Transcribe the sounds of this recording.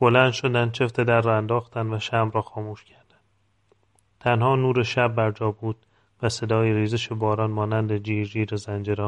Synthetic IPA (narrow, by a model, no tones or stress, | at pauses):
b̥olæːnd̪ʃo̞d̪ænd̪̚t͡ʃʰeft̪ʰed̪æɾːɒːænd̪ɒːxt̪ænd̪væʃæmɾɒːxɒːmuːʃcʰæɾd̪̥ænd̪ | t̪ʰænhɒːnuːɾeʃæbːæɾd͡ʒɒːbuːd̪̥̚ | væse̞d̪ɒːjeɾiːzeʃebɒːɾɒːnmɒːnænd̪ed͡ʒiːɾd͡ʒiːɾezænd͡ʒeɾɒːn